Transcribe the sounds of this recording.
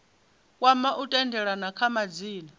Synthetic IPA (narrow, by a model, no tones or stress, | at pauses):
kʼwamaʔutʼɛndʱɛɺanakʰamad͡ziːni